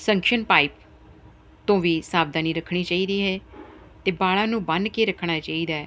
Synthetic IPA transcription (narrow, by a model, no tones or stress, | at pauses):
sə̃ŋkʃənpaːɪp | t̪õːʋiːsaːb̚d̪aːniːɾəkʰːɽ̃iːt͡ʃaːiːd̪iːɦɛː | t̪eːbaːɽãːnũːbənkeːɾəkʰːɽ̃aːt͡ʃaːiːd̪aːɛ